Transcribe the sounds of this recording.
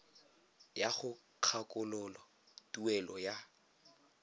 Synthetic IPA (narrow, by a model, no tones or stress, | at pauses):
jaχʊ | q͡χʰakʼʊlʊlɔ | tʼuɛlɔja